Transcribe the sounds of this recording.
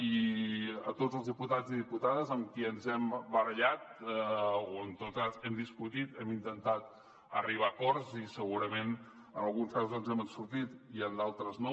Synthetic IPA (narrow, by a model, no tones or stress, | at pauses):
i | ət̪ozəlˠzðiput̪aziðiput̪aðəzəmkiənzɛmbəɾəʎat̪̚ | oənt̪ot̪əzɛmd̪iskut̪it̪ɛmint̪ənt̪at̪ | ə̰riβ̞akɔɾzisəɣuɾəmen | ənəlˠɣunskazuzðɔnzɛmənsuɾt̪it̪iənd̪alˠt̪ɾəzno